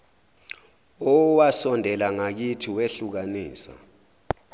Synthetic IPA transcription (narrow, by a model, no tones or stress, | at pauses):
ɔwasɔndʱɛlaŋak̬itʰiweɬuk̬aniːsa̰